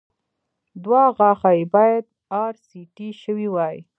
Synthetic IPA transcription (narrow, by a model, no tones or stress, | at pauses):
d̪waɣɑxajbɑjad̪̚ | ɑɾsiʈiʃəwiwɑj